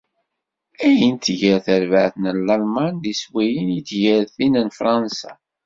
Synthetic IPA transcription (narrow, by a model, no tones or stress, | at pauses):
æjənt̪ʝəɾθəɾvəʕθnəlːɑlmɑnðiswæjənjit̪ːʝəɾθinənfɾˤɑnsa̰